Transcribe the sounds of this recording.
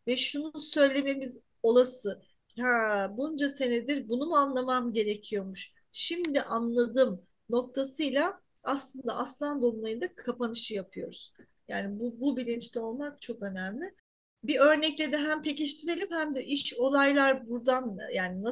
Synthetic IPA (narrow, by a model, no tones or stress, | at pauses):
vɛʃununsø̞jlʲe̞me̞miz | o̞lˠasɯ | habund͡ʒase̞ned̪iɾbunumuanlˠamamɟe̞ɾecʰijo̞muʃ | ʃimd̪iʔanlˠad̪ɯm | no̞k̚t̪ʰasɯjlˠa | aslˠɯnd̪aaslˠand̪onlˠajɯnd̪akʰapanɯʃɯjapʰɯjo̞ɾuz̥ | jaːnibububilʲint͡ʃt̪ʰɛo̞lˠmak̚t͡ʃʰo̞kø̞næmlʲɪ | biø̞ɾnɛclʲed̪ɛɦæmpʰe̞ciʃt̪ʰiɾe̞lʲimhæmd̪ɛʔiʃo̞lˠajlˠaɾbuɾd̪anjaːnina